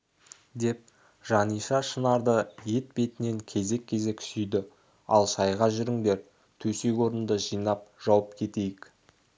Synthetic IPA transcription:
d̪e̞p̚ | ʒɑnijʃɑʃənɑɾd̪əje̞t̪̚be̞t̪ɪne̞ŋkʲʰe̞ze̞kʲʰːe̞ze̞kʲʰɪ̥sʏjd̪ɪ | ɑ̰lˠʃɑjʁɑʒʏɾɪŋd̪e̞ɾ | t̪ʰɵsekʲo̞ɾənd̪əʒijnɑp̚ʒ̥ɑwəpkʲʰe̞t̪e̞jɪk

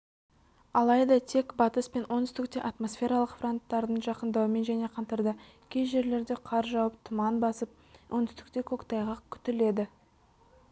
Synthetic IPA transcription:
ɑlˠɑjd̪ɑt̪ʰe̞kbɑt̪əspe̞nwʔonʏ̥st̪ɪk̚t̪e̞ʔɑt̪mo̞sfʲe̞ɾɑlˠəqfro̞nt̪ːɑɾd̪ənʒɑqənd̪ɑwəme̞nʒæne̞qʰɑnt̪əɾd̪ə | kʲʰe̞jʒe̞ɾle̞ɾd̪e̞qʰɑɾʒɑwəp̚t̪ʰʊmɑnbɑsəp̚ | wʔo̞nʏst̪ɪ̥k̚t̪e̞kʲʰo̞kt̪ɑjʁɑkʲʰʏ̥t̪ɪle̞d̪ɪ

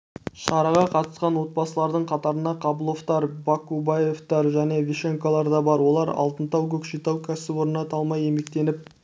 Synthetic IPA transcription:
ʃɑɾɑʁɑqʰɑt̪əsqɑnwo̞t̪̚bɑsəlˠɑɾd̪əɴqʰɑt̪ɑɾənd̪ɑqʰɑbəlˠo̞ft̪ɑɾbakubaje̞ft̪ɑɾʒæne̞vʲiʃeŋkolˠɑɾd̪ɑbɑɾwo̞lˠɑɾɑ̰lˠt̪ənt̪ɑwkʲɵkʃijt̪ɑwkʲʰæsɪbwo̞ɾənɑt̪ʰɑlˠmɑje̞me̞k̚t̪e̞nɪp̚

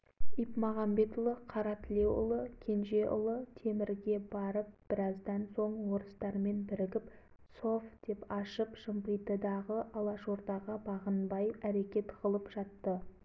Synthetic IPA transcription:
ipmɑʁɑmbe̞t̪ʊlˠəqʰɑɾɑt̪ɪlʲe̞wʊ̰lˠəkʲʰe̞nʒe̞ʔʊ̰lˠət̪ʰe̞mɪɾɡʲe̞bɑɾəp̚b̥ɪɾɑzd̪ɑnso̞ɴwo̞ɾəst̪ɑɾme̞nbɪɾɪɡʲɪp | so̞fd̪̥e̞pɑʃəpʒ̥əmpəjt̪əd̪ɑʁəʔɑlˠɑʃo̞ɾd̪ɑʁəbɑʁənbɑjæɾe̞kʲe̞t̪qʰəlˠəpʒ̥ɑt̪ːə

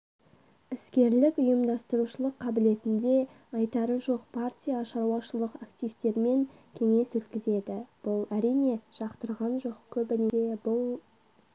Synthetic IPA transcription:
ɪskʲe̞ɾlɪkʊjəmd̪ɑst̪əɾuʃəlˠəqʰːɑbɪle̞t̪ɪnd̪e̞ | ɑjt̪ɑɾəʒo̞q̚pʰart̪ʲijaʃɑɾwɑʃəlˠəqakt̪ijvt̪e̞ɾme̞ŋkʲʰe̞ŋe̞swɵt̪kʲɪze̞d̪ɪb̥ʊlˠæɾijne̞ʒ̥ɑqt̪əɾʁɑnʒo̞qkʲʰɵbɪnee̞bʊlˠ

